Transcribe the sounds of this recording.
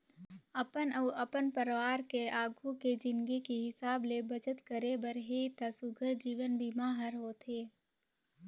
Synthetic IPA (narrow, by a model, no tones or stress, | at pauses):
ɐpənəʔɐpənpəɾʋaːɾkeʔaːɡʱuked͡ʒɪ̃nɡekeɦɪsaːblebɐt͡ʃət̪kəɾebəɾɦet̪asʊɡʱəɾd͡ʒiːʋənbʱimaːɦəɾɦoːt̪ʰeː